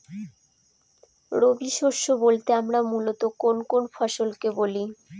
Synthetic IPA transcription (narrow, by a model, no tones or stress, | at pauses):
ɾobiʃoʃobolt̪eamɾamulot̪okonkonfaʃolkeboli